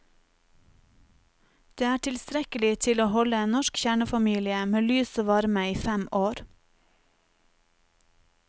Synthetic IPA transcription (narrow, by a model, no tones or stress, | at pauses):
d̪̥eːæːʈʰɪlst̪ɾɛkəlɪt̪ʰɪloːhɔləeːnɔʃkçæːɳəfɑmiːlɪəmeːlyːsoːʋɑɾməiːfɛmoːɾ